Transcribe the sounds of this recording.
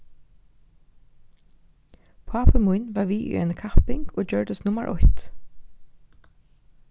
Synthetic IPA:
pʰɑːpəmujnʋaːɹʋiːʔʏ̰ɛ̰nəkʰahpɪŋɡoːd͡ʒœɹd̪əst̪nʊmə̰ɹʔɔ̰jt̪

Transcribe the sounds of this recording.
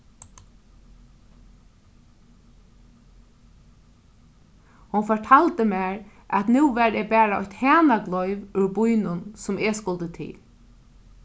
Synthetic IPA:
hʊnfɔʈʰaːlt̪əmɛːɾ | ʔæt̪nʉːʋɛɾɛːbæːɾaɔçt̪hɛːnaɡlɔʏʋʉɹbʊjnʊnsʊmeskʊlt̪ət̪ʰɪ̰l

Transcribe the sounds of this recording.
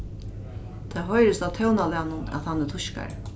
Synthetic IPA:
t̪ʰaːɦɔjɾɪst̪awt̪ʰɛwnalanʊnæ̰ðhanːɛt̪ʰʊʃka̰ɾ

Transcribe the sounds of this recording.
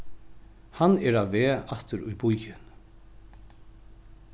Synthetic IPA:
hanɛɾaðvɛːaht̪ʏɾʊjbujjʏn

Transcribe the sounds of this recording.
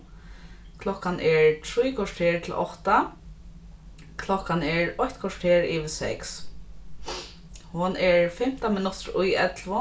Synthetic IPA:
kʰlɔhkanʔɛɹt̪ʰɾujkʰɔʂʈʰeːt̪ʰɪlʔɔ̰ht̪a | kʰlɔkanɛɹɔçt̪kʰɔʂʈʰeːɹɪʋɪsɛ̰ks | hʊnɛɹfɪm̥t̪amɪnʊt̪ɹʊjɛt̪lvʊ

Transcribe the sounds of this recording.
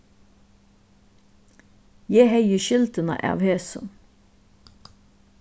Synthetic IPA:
jæːhœʏəʃɪlt̪ənɑ̰ʔɑ̰ːʋhøːsə̰n

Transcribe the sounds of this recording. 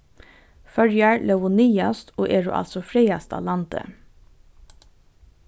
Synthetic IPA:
fœɾjɑɹlɛʋʊnyːɑst̪ʰoːʔeːɹṵːʔɑ̰lsɔfɹeɪɑst̪ʰɑ̰ːlɑnt̪ə̰

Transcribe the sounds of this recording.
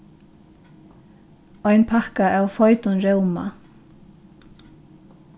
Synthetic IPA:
ɔjnpʰahkaʔawfɔjt̪ʊnɾɛwma̰

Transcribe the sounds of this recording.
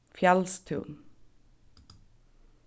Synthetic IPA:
fjɛlst̪ʰʉ̰ːn

